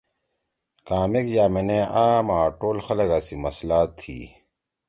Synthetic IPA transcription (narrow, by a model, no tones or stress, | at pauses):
kaːmekjaːmeneaːmãːʈoːlxɐlɐɡasimɐslaːt̪ʰːḭː